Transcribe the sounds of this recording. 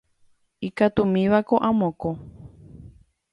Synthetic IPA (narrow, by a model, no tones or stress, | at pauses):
ikat̪umĩβakoʔãmõko